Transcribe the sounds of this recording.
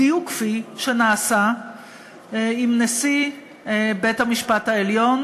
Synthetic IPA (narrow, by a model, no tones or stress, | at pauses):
iukfiʃenaːsa | imnesi | bethamiʃpathaeljo̞n